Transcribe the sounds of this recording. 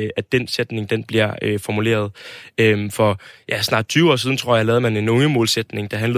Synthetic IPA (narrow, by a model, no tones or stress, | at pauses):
æd̥ensed̥ne̝ŋd̥enb̥liɐ̰øfɒmule̝̰ːɐð̞ˠømfɒ̽jæsnɑ̈ːd̥̚t͡sʰyːʊɒ̰ːs̬iðˠn̩t͡sʰʁo̰ɐ̰jɑ̈lɛːð̞̩ˠmæne̝nɔ̽ŋəmɔ̽ːlsed̥ne̝ŋd̥ɑ̈ɦænlə